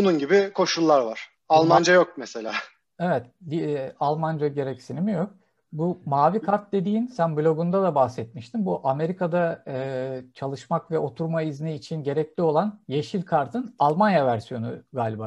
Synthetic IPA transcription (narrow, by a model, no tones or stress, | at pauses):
bununɟibikʰo̞ʃulˠːaɾvaɾ̥ | alˠmand͡ʒajo̞k̚mese̞lʲa̰ː | e̞vɛt̪bialˠmand͡ʒaɟe̞ɾɛcsinimijo̞k̚ | bumaːvikʰaɾt̪̚d̪e̞d̪iːnsænblʲo̞ɡund̪ad̪abahsɛt̪̚miʃt̪ʰimbuʔame̞ɾikad̪aɯːt͡ʃʰalˠɯʃmakvɛo̞t̪ʰuɾmaizniːt͡ʃʰinɟe̞ɾɛclʲio̞lˠanjeʃilʲkʰaɾt̪ʰɯnalˠmanjavæɾsijo̞nuɡaːlʲiba